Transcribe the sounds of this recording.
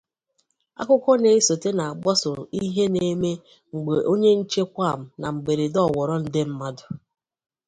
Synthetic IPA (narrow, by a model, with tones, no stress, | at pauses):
a̰˦kʷʊ˦kɔ˦ne˨i˦so˨te˦na˨a˨ɡ͡bɔ˦sʊ˨ɾi˦ɦe˦ne˨˦me˦ | ŋ͡m̩˨ɡ͡be˨ʔo˦ɲe˦n̩˦t͡ʃe˦kʷa˦˨m̩˨na˨ŋ͡m̩˨ɡ͡be˨ɾe˨dɔ˦˨wɔ˨ɾɔ˦n̩˦dɪ˦m̩˦ma˦dʊ˨